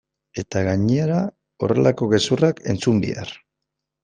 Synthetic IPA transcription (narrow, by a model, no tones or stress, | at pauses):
e̞t̪aɣaɲeeɾa | o̞̰re̞lako̞ɣe̞surake̞nt͡sumbḭa̰r